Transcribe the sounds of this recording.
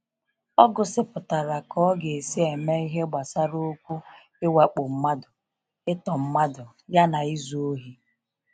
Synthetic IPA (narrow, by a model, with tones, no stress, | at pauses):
ɔ˦ɡʊ˨sɪ˦pʊ˨ta˨ɾa˨kɔ˦ɡe˨si˦e˨me˦i˦ɦe˦ɡ͡ba˨sa˦ɾo˦o˦kʷu˦ | ɪ˦wa˨k͡po˨m̩˦ma˦dʊ˨ | ɪ˦tɔ˨m̩˦ma˦dʊ˨ | ja˦na˨i˦zu˦o˦ɦi˨˦